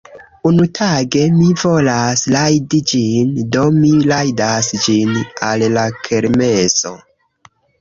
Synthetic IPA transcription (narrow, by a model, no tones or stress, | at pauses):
unutʰaɡe̞mivo̞laslajdid͡ʒindo̞milajdasd͡ʒinallakʰe̞ɾme̞so̞̰